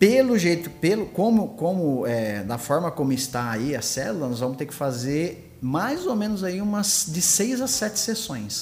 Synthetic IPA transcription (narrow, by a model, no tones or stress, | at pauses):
pelʊʒejt̪ʊpelʊkõmʊkõmʊɛd̪ɐfɔɾmɐkõmʊɪst̪aaiɐsɛ̰lulɐnɔzvɐ̃mʊst̪eɾkɪ̥fazeɾ | majzomẽnʊzaiũmɐsd͡ʒ̪ɪsejzɐsɛt͡ʃ̪ɪ̥sesõj̃s